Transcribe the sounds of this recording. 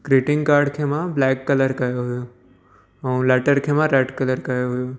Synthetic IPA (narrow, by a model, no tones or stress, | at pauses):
kɾeʈɪ̃ŋɡkaːɾɖkʰemãblɛːkːɐləɾkɐjoɦojo | ɐw̃lɛːʈəɾkʰemãɾeːʈkɐləɾkɐjoɦojo